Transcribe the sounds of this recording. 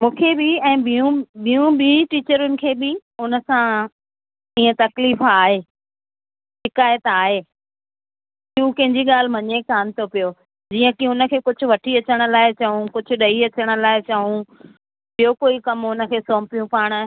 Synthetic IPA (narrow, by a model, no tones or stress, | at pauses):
mũːkʰebɪɛ̃ːbiũɓijũɓiʈiːt͡ɕəɾʊnɪ̆kʰeːbɪʊnə̆sã | iːə̃t̪ɐkliːfaːɦeː | ʃʃɪkaːjət̪aːɦeː | ɪɦũkɐ̃ɦɪ̃ɲd͡ʑiɠaːl̤mɐɲekaːnɪ̆t̪ʰopijoː | d͡ʑiːə̃kɪʊnə̆kʰeːkʊd͡ʑʱʊ̆ʋɐʈʰiɐt͡ɕəɽ̃̆laːɪt͡ɕɐɦũkʊd͡ʑʱʊ̆ɗɐiɐt͡ɕəɽ̃ə̆laːɪt͡ɕɐɦũ | ɓijokoːikɐmʊnə̆kʰeːsoːmpijũpaːɽ̃̆